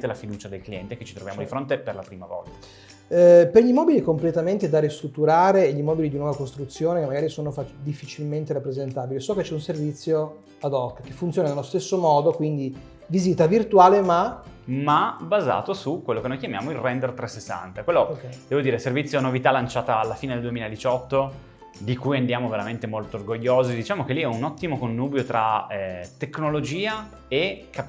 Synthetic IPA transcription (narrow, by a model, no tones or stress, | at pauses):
t̪elafid̪uːt͡ʃad̪elkliɛ̰nt̪eket͡ʃit̪ɾovjamod̪ifɾont̪eperlapɾiːmavɔ̰lt̪a | perʎimɔːbilikomplet̪ament̪ed̪aɾist̪ɾut̪ːuɾaːɾeʎimɔbilid̪inwɔvakost̪ɾut̪sːjoːnekemːaɡaːɾisoːnofat̪ːid̪ifːit͡ʃilment̪eɾapːɾezent̪aːbilisɔket͡ʃːɛunservit̪sːjo | ad̪ɔkːk̟efːunt̪sjoːnanelost̪esːomɔːd̪okwind̪i | viziːt̪avirt̪waːlema | mabaza̰ːt̪osukwelːokenojkjamja̰ːmoilrɛnd̪ert̪ɾɛsːesːa̰nt̪akwelːod̪ɛːvod̪iːɾeservit̪sjonovit̪alːant͡ʃaːt̪aːlːafiːned̪eld̪uwemiːlaed̪it͡ʃɔt̪ːo | d̪ikujand̪jaːmoveɾament̪emolt̪ooːrɡoʎːoːzid̪it͡ʃaːmokeliɛunɔt̪ːimokonːuːbjot̪ɾaɛt̪ːekːnolod͡ʒiːa | ekʰa